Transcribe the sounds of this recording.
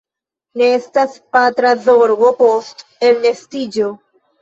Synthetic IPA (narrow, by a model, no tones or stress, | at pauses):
neest̪aspat̪ɾazoɾvopost̪elnest̪id͡ʒo